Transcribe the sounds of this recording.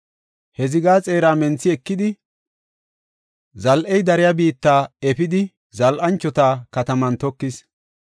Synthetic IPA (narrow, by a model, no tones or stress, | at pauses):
hɛzɪɡaːt͡sʼe̞ːɾaːmɛnt͡sːɪɛkːɪd̪ɪ | zɐlʔɛjd̪ɐɾɪjabiːt̪ːaːɛpɪd̪ɪ | zɐlʔɐnt͡ʃːɔt̪aːkɐt̪ɐmɐnt̪ɔkːɪs